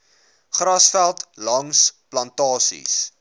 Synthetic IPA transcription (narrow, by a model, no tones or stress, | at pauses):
χrɐsfælˠtlɐŋsplɐntɑːsḭs